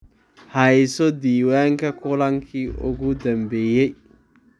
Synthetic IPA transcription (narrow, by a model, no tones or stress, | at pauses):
hɐjsɔd̪iːwaːŋkɐkʰʊlɐŋkʰiːʔʊ̰ɣʊd̪ɐmbɛːjɛj